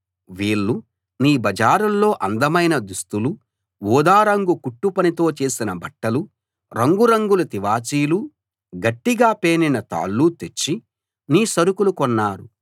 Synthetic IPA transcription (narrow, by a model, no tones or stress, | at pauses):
ʋiːɭːu | niːbɐd͡ʒaːɾulːo̞ːʔɐnd̪ɐmɐjnɐd̪ust̪ulu | ʋuːd̪aːɾɐŋɡukuʈːupɐnit̪o̞ːt͡ʃe̞ːsinɐbɐʈːɐlu | ɾɐŋɡuɾɐŋɡulut̪iʋaːt͡ʃiːlu | ɡɐʈːiɡaːpe̞ːninɐt̪a̰ːɭːut̪et͡ʃːi | niːsɐɾukulukɔnːaːɾu